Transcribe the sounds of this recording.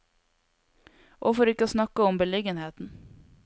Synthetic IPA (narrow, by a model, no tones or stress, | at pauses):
ʔofoːɾɪkːəsnɑkːaɔmbɛlɪɡənheːt̪n